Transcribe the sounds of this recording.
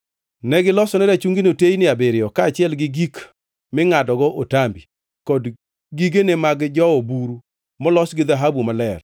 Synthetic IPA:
nɛɡɪlɔsɔnɛdat͡ʃuŋɡinotejnɪabeɾɪɔkaːt͡ʃɪɛlɡɪɡik | mɪŋadɔɡɔʔotambi | kɔd | ɡiɡenemaɡd͡ʒɔobuɾu | mɔlɔsɡɪðaɦabumalɛr

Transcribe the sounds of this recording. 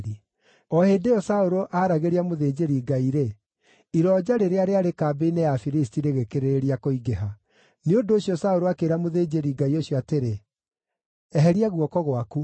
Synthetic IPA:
i | ɔheːdeɔsaoɾoʔaɾaɣeɾiamoðeːd͡ʑeɾiɡaiɾe | iɾɔːd͡ʑaɾeɾeaɾeaɾekaːbeinejafiɾistiɾeɣekeɾeɾeɾiakoiɡeɦa | neondoːɕjɔsaoɾoakeɾamoðeːd͡ʑeɾiɡaioɕjɔateɾe | ɛɦɛɾiaɣwɔkɔɣwaku

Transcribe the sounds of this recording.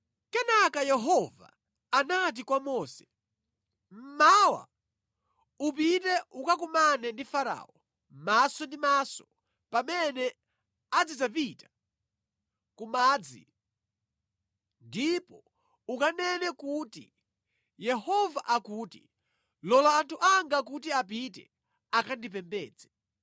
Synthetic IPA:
kɛnakajɛɦɔva̰ | anat̬ikwamɔːsɛ | m̩mawa̰ | up̬it̬ɛʔukak̬umanɛndifaɾa̰ːɔ | masɔndimasɔ | pamɛnɛ | ad͡zid͡zapita | kumaːd͡zḭ | ndipɔ | ukanɛnɛkutḭ | jɛhɔvaʔakuːti | lɔlaantʰuʔaŋɡak̬utiap̬it̬ɛ̰ | akʰandip̬ɛmbɛ̰ːd͡zɛ

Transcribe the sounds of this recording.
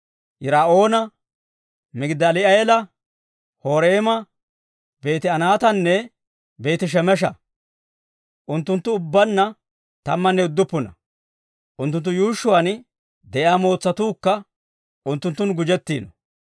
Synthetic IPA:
jɪɾaːʔo̞ːnɐ | mɪɡd̪ɐlɪɐjɛlɐ | hoːɾeːmɐ | be̞ːt̪ɪɐnaːt̪ɐnːɛ | be̞ːt̪ɪʃ̬ɛmɛʃ̬ɐ | ʔʊnt̪ːʊnt̪ːʊʊbːɐnːɐ | t̪ɐmːɐnːɛʊd̪ːʊpːʊnɐ | ʔʊnt̪ːʊnt̪ːʊjuːʃːʊwɐn | d̪ɛjaːmo̞ːt͡sːɐt̪uːkːɐ | ʊnt̪ːʊnt̪ːʊnɡʊd͡ʒɛt̪ːiːnɔ

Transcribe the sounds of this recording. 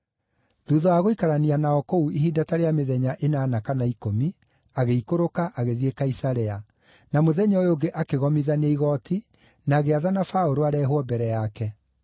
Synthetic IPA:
ðuːðɔaɣoikaɾanianaɔkouiɦidataɾeameðɛɲaʔenaːnakanaikomi | aɣeikoɾokaʔaɣeðiekaisaɾɛa | namoðɛɲɔjoɡeʔakeɣɔmiðaneiɣɔtʰi | naːɣeaðanafaoɾoaɾɛːɦwɔbɛɾɛjakɛ

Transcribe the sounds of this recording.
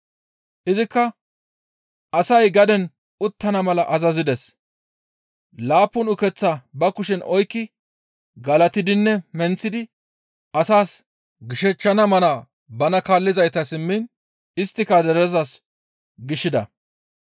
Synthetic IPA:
ʔɪzɪkːɐ | ɐsɐjɡɐd̪ɛn | ʊt̪ːɐnɐmɐlɐʔɐzɐzɪd̪ɛs | laːpːʊnʊkɛt͡sːabɐkʊʃɛnʔɔjkːɪ | ɡɐlɐt̪ɪd̪ɪnːɛmɛnt͡sːɪd̪ɪ | ʔɐsaːs | ɡɪʃɛt͡ʃːɐnɐmɐna | bɐnɐkaːlːɪzɐjt̪ɐsɪmːɪn | ɪst̪ːɪkɐzɛɾɛzɐs | ɡɪʃːɪd̪ɐ

